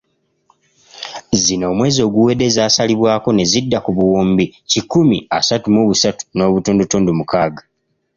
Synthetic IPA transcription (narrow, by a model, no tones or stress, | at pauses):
zino̞ːmwe̞ːzo̞ːɡuwe̞de̞zaːsaliβwaːko̞ne̞zidːakuβuwoːmbicikumiasatumoβusatu̥no̞ːβutoːndutoːndumukaːɡa